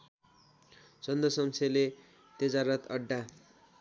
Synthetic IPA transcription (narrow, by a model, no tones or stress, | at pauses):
t͡sʌnd̪ʌsʌmsele | t̪id͡zaɾʌt̪ʌɖːa